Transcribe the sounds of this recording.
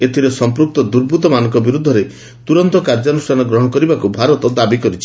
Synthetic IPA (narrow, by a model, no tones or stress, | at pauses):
et̪ʰiɾesɔmpɾuk̚t̪ɔd̪uɾbʱut̪ɔmanɔ̃ŋkɔbiɾud̪ʱːɔɾe | t̪uɾɔnt̪ɔkaɾd͡ʒɔnusʈʰanɔɡɾɔɦɔkɔɾibakubʱaɾɔt̪ɔd̪abikɔɾit͡ʃʰi̥